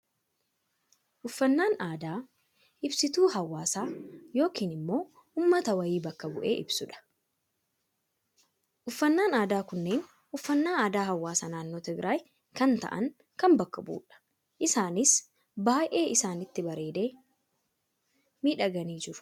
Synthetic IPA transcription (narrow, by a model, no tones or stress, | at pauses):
ʔʊfːɐnːaːnaːd̪aː | ʔɪbsɪt̪uːɦɐwːaːsaːjo̞ːkiːnɪmːo̞ː | ʊːmːɐt̪ɐwɐjiːbɐkːɐbʊʔḛːʔɪbsʊᶑɐ̥ | ʔʊfːɐnːaːnaːd̪aːkʊnːe̞ːn | ʊfːɐnːaːaːd̪aːɦɐwːaːsaːnaːnːoːt̪ɛɡɾʔaːj | kɐnt̪ɐ̰ʔɐ̰ŋ | kɐnbɐkːɐbṵːᶑɐ̥ | ʔɪsaːnɪs | baːjʔe̞ːʔɪsaːnɪt̪ːɪbɐɾe̞ːd̪e̞ː | miːᶑɐɡɐniːd͡ʒɪɾʊ̥